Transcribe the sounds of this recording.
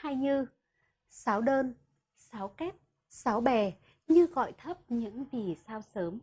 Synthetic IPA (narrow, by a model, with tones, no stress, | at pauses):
ha˧jɲɨ˧ | saː˨˦wɗəː˧n | saː˨˦wkɛ˦˥p̚ | sa˨˦wɓɛ˨˩ | ɲɨ˧ɣɔ̰˧˨jt̪ʰə˦˥p̚ɲɨ̰˧˥ŋvi˨˩saː˧wsəː˨˦m